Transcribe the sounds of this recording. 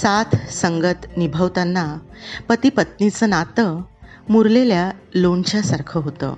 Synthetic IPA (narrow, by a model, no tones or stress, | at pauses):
sat̪ʰsəŋɡət̪nibʱəʋt̪anːapət̪ipət̪̚nit͡sənat̪ə | muɾleljaloɳt͡ɕjasaɾkʰəɦot̪ə̰